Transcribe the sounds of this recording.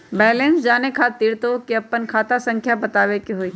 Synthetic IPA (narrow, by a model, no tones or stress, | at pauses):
bɛːlẽnsd͡ʒaːnekʰaːt̪ːiːɾt̪okiɐpːənkʰaːt̪asɐ̃ŋkʰjabɐt̪aːʋekeɦoiː